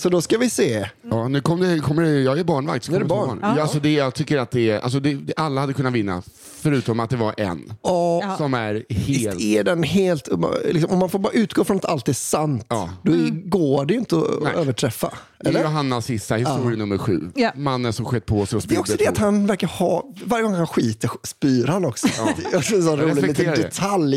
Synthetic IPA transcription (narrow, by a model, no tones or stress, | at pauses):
sɔd̪ɔskavɪseːɑːnʉ̟ːkʰɔmːd̪ɛkʰɔmːəɖɛjɑːɡæɾbɑːɳva̰k̚t̪sk̪nːɔɛbɑ̰ːɳasɔd̪ɛjɑːɡt̪ʰʏkːəɾat̪̚d̪ɛa̰ls̬ɔd̪ɛd̪ɛʔalːahad̪əkʰɵnːat̪vɪnːa̰ | fœɾʉ̟ːt̪ɔmat̪̚d̪ɛvaɾʔɛ̰nɑːsɔmæɾheːlɛɖɛnɦeːlt̪lɪksɔmɔmːanfoːɾbɑːɾaʉ̟ːt̪ɡoːfɾɔnat̪ʰalt̪æsant̪ɑːd̪ɔɛɡoːɖɛjʏnt̪əɔ̰øːvəʈʰɾɛfːa̰ | ʔɛlːəɾʊɦanːasːɪst̪ahɪst̪ːuːɾɪnɵmːəɾɧʉ̟̰ːmanːəʂɔmɧɛt̪̚ːpʰɔsɛɔspdɛɔksɔd̪ɛatt̪hanvæɾkaɾhɑːvaɾjəɡɔŋhanɧiːt̪əɾspyːɾhanɔksɔjɑɡɛnsɔɾuɾlɪɛiːt̪ːeɾad̪ɛɛt̪ʰalj